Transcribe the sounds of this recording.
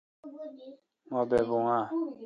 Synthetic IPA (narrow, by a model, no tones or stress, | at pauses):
ŋɔbɛbuŋa